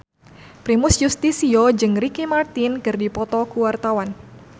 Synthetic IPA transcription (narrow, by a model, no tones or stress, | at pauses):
pɾimusjust̪isiod͡ʒɨŋrikimart̪ɪnkɨrdipɔt̪ɔkuwart̪awan